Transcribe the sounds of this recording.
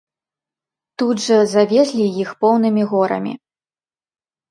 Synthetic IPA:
t̪ud̪ʐɐzavʲɛzʲlʲijixpɔwnɨmʲiɣɔɾɐ̰mʲḭ

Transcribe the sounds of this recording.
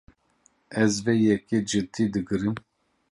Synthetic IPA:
ɛzvɛjɛked͡ʒɨt̪ʰid̪ɨɡɨɾɨm

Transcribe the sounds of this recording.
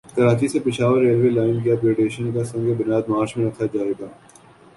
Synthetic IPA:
k̪ɐɾaːt͡ʃisepɪʃaːʋəɾːeːlʋeːlaːɪnk̬ijapɾeːɖeːʃənkasɐ̃ŋɡebʊnjaːd̪maːɾt͡ʃmẽɾɐkʰad͡ʒaːeːɡaː

